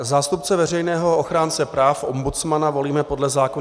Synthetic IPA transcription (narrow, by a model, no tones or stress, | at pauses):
zaːst̪up̚t͡sɛvɛrɛjnɛːɦo̞oxɾaːnt͡sɛpɾaːfʔo̞mbut͡smanavo̞liːmɛpo̞dlɛzaːko